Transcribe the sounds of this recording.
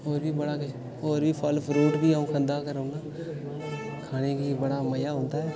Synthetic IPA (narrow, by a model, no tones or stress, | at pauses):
oːɾbʱibɐɽake | oːɾbʱifʰɔːlfʰɾuːʈbiãkʰə̃nd̪akəɾõːɡaː | kʰaːnekibɐɽamɐjaɦõːnt̪aɦɛː